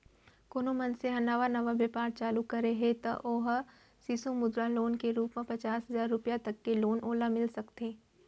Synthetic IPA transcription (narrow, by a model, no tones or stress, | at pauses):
koːnomɐnseɦɐnaːʋanɐʋaʋjəpaːɾt͡ʃaːlukɐɾeɦẽt̪ɐ̰ʔoːɦ | siːsõmʊd̪ɾaloːnkeɾuːpmẽpɐt͡ʃaːsɦɐzaːɾːʊpjat̪ɐkːeloːnoːlamɪlsɐkt̪ẽː